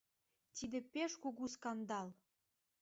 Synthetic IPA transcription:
t̪id̪ĕpeʃkuɣuskɑnd̪ɑl

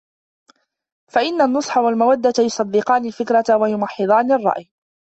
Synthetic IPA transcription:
faʔɪnːanːʊsˤħawalmawad̪ːat̪jʊsˤɑd̪ːɪqɑːnɪlfɪkɾat̪wajʊmɑħːɪd̪ˤɑːnɪrˤːɑ̰ʔj

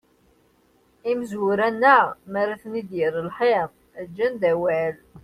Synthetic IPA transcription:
imzʊɾænːæmæɾaθnid̪jəɾəlħeʁ | æd͡ʒːænd̪æwæl

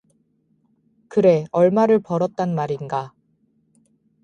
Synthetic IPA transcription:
kɯɾe̞ʌɭmaɾɯɭpʌɾʌt̚t͈anmaɾinɡa

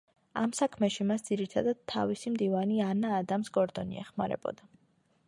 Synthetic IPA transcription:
amsakʰmɛʃimasd̪ziɾit̪ʰad̪ad̪̥̚t̪ʰːa̰visimd̪ivanianaːd̪amsɡɔɾd̪ɔnḭɛ̰χmaɾɛ̰bɔ̰d̪a

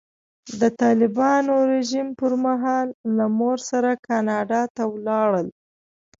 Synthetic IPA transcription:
d̪ət̪ɑlɪbɑnoɾeʒimpəɾmaɦɑlːamoɾsaɾakɑnɑɖɑt̪awlɑɽəl

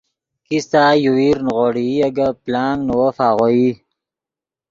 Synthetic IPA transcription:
kist̪aːjuwiɾnʁoɽiaɡaplaːŋɡnuwəfaːʁoi

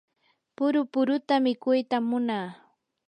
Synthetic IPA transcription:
pʊɾʊpʊɾʊt̪amɪkʊjt̪amːʊnaː

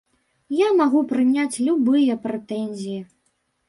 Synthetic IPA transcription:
jamaɣupɾɨnʲat͡sʲlʲubɨjɐpɾɛt̪ɛnʲzʲiji

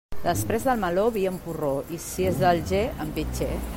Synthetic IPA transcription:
d̪əspɾezðəlˠmɐloβiəmpuroisiezðəlʒeəmpit͡ʃe

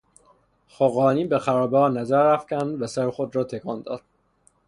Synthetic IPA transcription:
xoɣɒːniːbexæɾɒːbehɒːnæzæɾːæfcʲænd̪væsæɾexod̪ɾɒːt̪ʰekʰɒːnd̪ɒ̰ːd̪̥̚

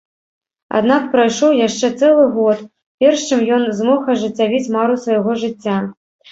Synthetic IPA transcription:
a̰d̪nak̚pɾɐjʂɔwjaʂt͡ʂɛt̪sɛlˠɨɣɔt̪ | pʲɛrʂt͡ʂɨmjɔnzmɔxɐʐɨt͡sʲːavʲit͡sʲmaɾusvɐjaɣɔʐɨt͡sʲːa

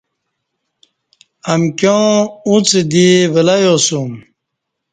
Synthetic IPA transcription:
ɐmkjõːũt͡sed̪ivelajosum

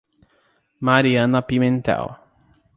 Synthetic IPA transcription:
maɾianapimɛnt̪ɛ̰w

